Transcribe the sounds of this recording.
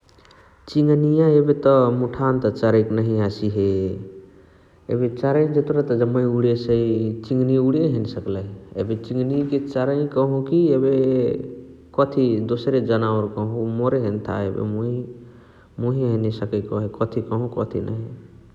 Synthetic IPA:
t͡ʃiŋɡnijãebet̪ɔmuʈʰant̪ɔt͡ʃaɾəjknəɦĩasiɦe | ḛbet͡ʃaɾəĩd͡ʒət̪uɾat̪ɔd͡ʒəmːəĩuɽesəit͡ʃiŋɡniuɽeɦensəkləḛbet͡ʃĩŋɡniket͡ʃaɾəĩkəɦũkiebe | kɔt̪ʰid̪osɾed͡ʒənaʋɾkəɦũmoɾeɦent̪ʰa̰ḛbḛmoi | muɦiɦenesəkəkɔɦekɔt̪ʰikɔɦũkɔt̪ʰḭnʔə̰ɦĩ

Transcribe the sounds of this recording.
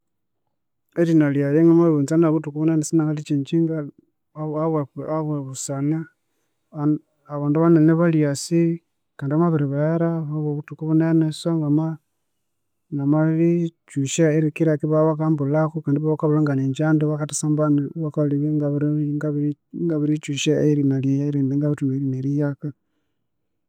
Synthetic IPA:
elinaljajeŋɡamaβiβunt͡sanaβutukuβunenesinaŋalit͡ʃiɲt͡ʃiŋɡa | aβeaβweβusana | aβaːnduβaneneβaljasi | kaːndiamaβiɾiβajaɾaβaβoβutukuβunenesoŋɡama | namalit͡ʃuʃaeɾikiɾakiβaβakambulaxukandiβaβakaβulaŋɡaniɲd͡ʒandiβakatasambaniβakaliβiŋɡaβɾŋɡaβŋɡaβiɾit͡ʃuʃaeɾinalajaɾineŋɡaβutuβeɾineɾijaka

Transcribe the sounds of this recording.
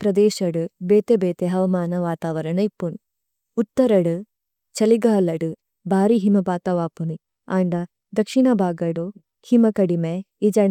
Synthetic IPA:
pɾɐd̪ɛːʃɐɽubeːt̪ebeːt̪eɦɐʋɐmaːnɐʋaːt̪aːʋɐɾɐɳɐipːun | ut̪ːɐɾɐɽu | t͡ʃɐliɡaːlɐɽu | bʱaːɾiɦimɐbaːt̪ɐʋaːpuni | aːɳɖɐ | d̪ɐkʂiɳɐbʱaːɡɐɽu | himɐkɐɽime | id͡ʒɐɳ

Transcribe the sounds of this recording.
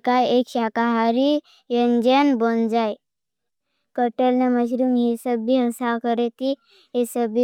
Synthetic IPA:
kaekʃakaɦaɾi | jənd͡ʒənbond͡ʒaj | kəʈəlneməʃɾumjesəbːiəsakəɾet̪i | ɦesəbi

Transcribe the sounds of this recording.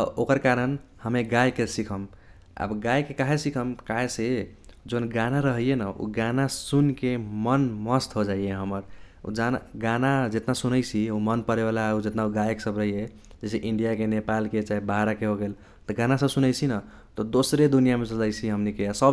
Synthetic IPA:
okəɾkaɾənhəmeɡajkesikʰəm | a̰bɡajkekaɦesikʰəmkaɦesed͡ʒonɡanaɾəɦijenəʔṵɡanasunkemənməst̪ɦod͡ʒaieɦəməɾ | ṵd͡ʒanaɡanad͡ʒet̪nasunəjt͡ʃʰiumənpəɾebalaud͡ʒet̪nauɡajkesəbɾəɦije | d͡ʒeseʔiɳɖijakenepalket͡ʃaibaɦɾakeɦoɡel | t̪ɔɡanasəbsunəjt͡ʃʰinə | t̪ɔd̪osɾed̪unijamesəd͡ʒajt͡ʃʰiɦəmnikeasəb

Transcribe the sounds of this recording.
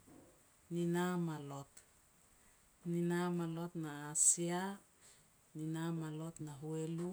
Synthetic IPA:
ninamalot̪ | ninamalo̞t̪naːsia | ninamalo̞t̪naɦuelu

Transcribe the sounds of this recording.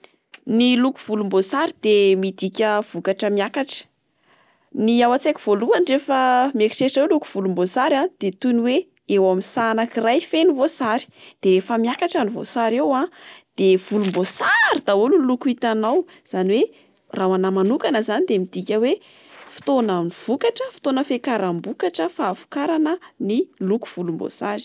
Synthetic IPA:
niluku̥v̥ulumbosaɾid̪̥emid̪ikʲəv̥ukaʈ͡ʂəmiakaʈ͡ʂə̥ | niawat͡sekʲiv̥oluanrefəmeki̥ʈ͡ʂeʈ͡ʂelukuv̥ulumbosaɾad̪̥et̪uniwe | ewaminsanakirajfenivosaɾi̥d̪̥eɾefəmiakaʈ͡ʂanivo̰saɾewãd̪̥ev̥ulumbosaɾid̪aululukuit̪anaw | z̥aniwe | rawanamanukanəzanid̪emid̪̥ikʲəwe | fi̥t̪onaniv̥ukaʈ͡ʂəfi̥t̪onəfekaɾambukaʈ͡ʂəfaːvu̥kaɾanəniluku̥v̥ulumbo̰saɾi̥

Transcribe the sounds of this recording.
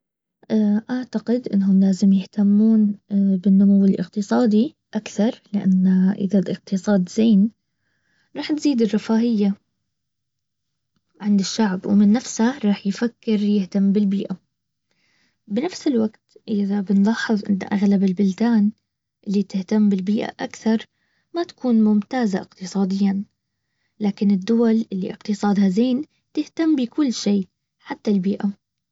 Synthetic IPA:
ʔaʔaʕt̪aqɪd̪ʔɪ̰nːɦʊmlaːzɪmjɪht̪amːuːnbɪnːʊmuwːɪlʔɪ̰qt̪ɨsˤɑːd̪i | ʔakθɑɾˤlɪʔa̰nːaʔɪ̰ðalʔɪq̚t̪ɨsˤɑːd̪zeːn | ɾˤɑːħt̪ziːd̪ɪrˤːɑfaːʔɪjːa | ʕɪnd̪ɪʃːaʕbwmɪnːafshaɾˤɑːħjfakːɪɾjɪht̪amːbɪlbiːʔa | bɪnafsɪlwaɡt̪ʔɪðabɪnlɑːħːɨðˤʔɪ̰nːa̰ʔaɣlabɪlbɪld̪aːn | ʔɪlːit̪ɪht̪amːbɪlbiːʔa̰ʔakθɑɾˤ | mat̪ḁkuːnmʊmt̪aːzaʔɪqt̪ɨsˤɑːd̪ɪjːa | laːkɪnɪd̪ːʊwalʔɪlːḭʔɪqt̪ɨsˤɑːd̪hazeːn | t̪ɪht̪ambɪkʊlːʃiː | ħat̪ːalbiːʔa

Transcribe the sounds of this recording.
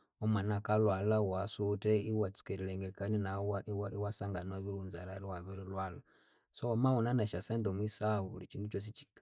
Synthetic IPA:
omwanakalwalawasutɛiwat͡su̥kɛɾilɛŋɡɛkaninawaiwaiwasaŋɡanoβilunzalaɾiwaβɛɾilwala | somawunanaʃasɛndomwisaulit͡ʃindut͡ʃos̬it͡ʃi̥ka

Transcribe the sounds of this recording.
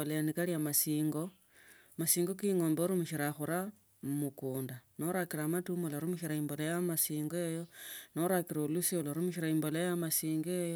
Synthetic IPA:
olejanikaliamasiːŋɡo̞ | masiːŋɡo̞kiŋo̞ːmboɾumuʃiɾaxuɾa | mukuːndano̞ɾakiɾamatumulaɾumuʃiɾaimbo̞lojamasiːŋɡoejono̞ɾakiɾaulusioloɾumuʃiɾaimbolojamasiːŋɡejo

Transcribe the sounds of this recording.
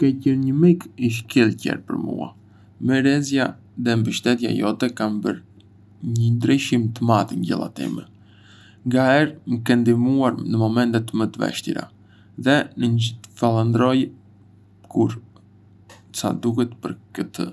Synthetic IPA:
kɛcɛɾɲəmikiʃ̬kilˠcɛ̰ɾpə̰ɾmṵa̰ | mɛɾɛzja | ðɛmbəʃt̪ɛt̪ja̰jɔt̪ɛkanbəɾ | ɲənd̪ɾiʃimt̪əmat̪iɲɟɛ̰lˠa̰t̪ḭmɛ̰ | ŋɡaɛɾməkɛnd̪imuaɾnəmɔmɛnt̪ɛt̪mət̪əvɛ̰ʃt̪ḭɾa̰ | ðɛnəfalˠand̪ɾɔj | kʰuɾ | sa̰d̪ukɛt̪pəɾkət̪ə̰

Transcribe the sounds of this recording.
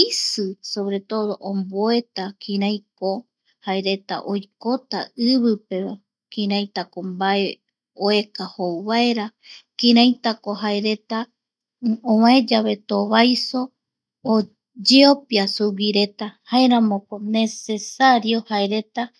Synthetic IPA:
isɨsoβɾe̞t̪o̞ðo̞ʔõmboe̞t̪akʰĩɾãjko̞ | haeɾe̞t̪a̰ʔojkot̪aɨβɨpe̞βa | kĩɾãj̃t̪akombae̞ | oe̞kahowβaeɾa | kĩɾ̃ãjt̪ako̞ɦaeɾe̞t̪a | õwãed͡ʒaβe̞t̪oβajso̞ː | d͡ʒeopjasuwiɾe̞t̪ahaeɾãmõkone̞se̞saɾio̞haeɾe̞t̪a

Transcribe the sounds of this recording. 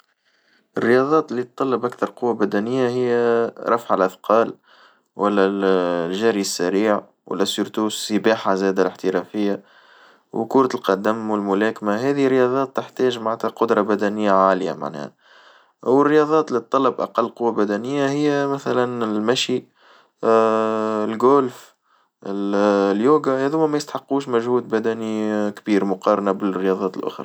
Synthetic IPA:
ʔɪrːɪjɑðˤɑːt̪ɪlːit̪ˤːɑlːəbʔækθɑɾˤqʊwːabæd̪ænɪjːaɦɪjːæɾˤɑfʕalʔæθqɑːl | wʔælːælʒæːɾiəsːæɾiːʕ | wæ̰lːæsːʊɾt̪uːssəbaːħazæːd̪alɪħt̪əɾɑfɪjːa | wkʊːɾˤɑt̪lqɑd̪æmwɪlmʊlæːkmaɦɛːðirːɪjɑðˤɑːt̪ːəħt̪æːʒmaʕt̪hæqʊd̪ɾˤɑbæd̪ænɪjːaʕaːlɪja̰ma̰ʕnɛ̰ːhæ̰ | wɪrːɪjɑːðˤɑːt̪lit̪ˤːɑlɑbʔɑ̰qɑlːqʊwːabæd̪ænɪjːahɪjːæmæθælænlmæʃi | lɡuːlf | ɪljuːɡahæðuːmːæmæjɪst̪ħɑqːuːʃmæʒhuːd̪̚bæd̪ænikbiːɾmʊqɑːɾˤɑnabɪrːəjɑːðˤɑːt̪əlʔʊ̰xɾˤɑ̰

